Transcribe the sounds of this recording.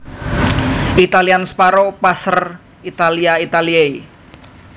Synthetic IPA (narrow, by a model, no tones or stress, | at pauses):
it̪alianspaɾopasər | it̪aliait̪aliei